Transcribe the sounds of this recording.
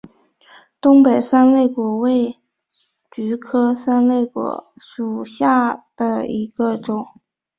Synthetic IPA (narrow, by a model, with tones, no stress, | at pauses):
t̪ʊ˥ŋpe˨˩ɪsa˥nle˥˩ɪkwɔ˨˩˥we˥˩ɪ | t͡ɕy˧˥kʰɤ˥sa˥nle˥˩ɪkwɔ̰˨˥˦ʂu˨˩ɕja˥˩d̪̥ə˩ḭ˧˥ɡ̥ə˧ʈ͡ʂʊ˨˩˦ŋ